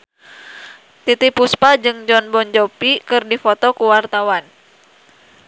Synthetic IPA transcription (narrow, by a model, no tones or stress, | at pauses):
t̪it̪ipuspad͡ʒɨŋd͡ʒɔnbɔnd͡ʒɔpikɨrdifɔt̪ɔkuwart̪awan